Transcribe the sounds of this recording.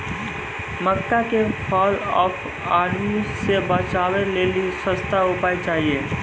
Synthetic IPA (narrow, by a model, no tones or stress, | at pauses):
məkːakepʰɔːlɔːpʰ | aːɾmisebət͡ʃaːweleːlisə̃st̪aʊpaːit͡ʃaːɦieː